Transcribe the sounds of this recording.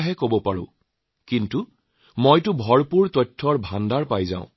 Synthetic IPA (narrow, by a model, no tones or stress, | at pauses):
ɦɛkobɔpaɹʊ̰̃ | kintu | mojtʊbʱɔɹpuɹtɔtʰːɔɹbʱandaɹpajzã̰ʊ̃